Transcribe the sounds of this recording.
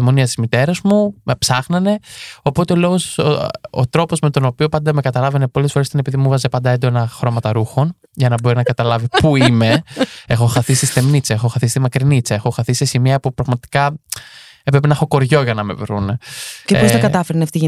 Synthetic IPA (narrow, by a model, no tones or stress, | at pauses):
emoniɐst̪izmit̪e̞ɾɐzmume̞psɐxnɐne̞o̞po̞t̪e̞o̞lo̞ɣoso̰t̪ɾo̞po̞zme̞t̪o̞no̞pio̞pɐnd̪ɐme̞kɐt̪ɐlɐvene̞po̞lesfoɾest̪ɐne̞piðimuvɐzepɐnd̪ɐend̪o̞nɐxɾo̞mɐt̪ɐɾuxo̞n | ʝɐnɐbo̞ɾinɐkɐt̪ɐlɐvipuime̞e̞xo̞xɐθisist̪e̞mnit͡seexoxɐθist̪imɐkɾinit͡seexo̞xɐθisesimiɐpupɾɐɣmɐt̪i̥kɐ | pɾepinɐxoko̞ɾʝo̞ʝɐnɐme̞̰vɾunceposɐkɐɐfeɾniɐft̪i